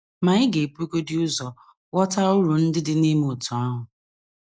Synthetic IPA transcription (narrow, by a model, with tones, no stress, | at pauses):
ma˨ɲɪ˦ɡe˨pu˦ko˦dɪ˦ʊ˦zɔ˨ | wɔ˦ta˦ʊ˦ɾu˨n̩˦dɪ˦dɪ˦ne˦m˦ʊ˨tu˨a˦ɦʊ˨